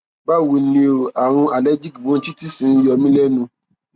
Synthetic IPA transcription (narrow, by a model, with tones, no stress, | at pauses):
ba˦˨wu˨nĩ˧o˨a˨ɾ̃ũ˧a˨lɛ˦d͡ʒi˦kbõ˨˦n̩˦t͡ʃi˦ti˦sĩ˨˦jɔ˧mĩ˦lɛ˦nũ˧